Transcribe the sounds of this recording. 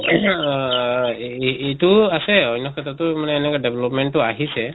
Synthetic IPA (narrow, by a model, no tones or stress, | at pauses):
etuasɛɔjnɔkʰɛtʰatʊmanɛːnɛkadɛblɔpmɛntːʊaɦisɛ